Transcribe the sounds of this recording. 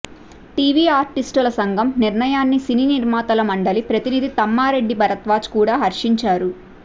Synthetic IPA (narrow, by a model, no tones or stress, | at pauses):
ʈiːʋiːaːɾʈisʈɐlɐsɐŋɡʱɐmniɾɳɐjaːnːisininiɾmaːt̪ɐlɐmɐɳɖɐlipɾɐt̪inid̪it̪ɐmːaːɾe̞ɖːibʱɐɾɐt̪ʋaːt͡ʃkuːɽaːɦɐɾʂiɲt͡ʃaːɾu